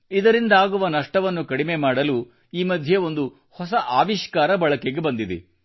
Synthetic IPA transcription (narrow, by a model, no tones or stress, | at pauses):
id̪ɐɾind̪aːɡuʋɐnɐʂʈɐʋɐnːukɐɽimemaːɽɐlu | iːmɐd̪ʱjɐo̞nd̪u | hɔs̬ɐʔaːʋiʃkaːɾɐbɐɭɐkeɡe̞bɐnd̪id̪ḛ